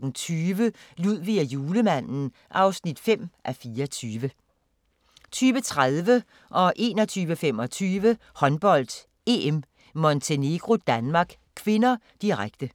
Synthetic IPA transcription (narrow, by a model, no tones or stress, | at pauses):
n̩t͡sʰyːʋəluð̰ˠʋiæjuːləmæn̰n̩ | ʔɑ̈ʊsnid̥fem̰ʔæfiːɐt͡sʰyːʋə | t͡sʰyːʋət͡sʰʁaðˠʋə | ʔɒ̽ʔe̝ːnɒt͡sʰyːʋəfem̰ɒ̽t͡sʰyːʋəhɒ̽nb̥ɒ̽l̰d̥ | e̝em | mont͡sʰe̝ne̝ɡ̥ʁo̝d̥ænmɑ̈ːɡ̥ | kʰʋe̝nɐ | d̥iʁaɡ̥d̥ə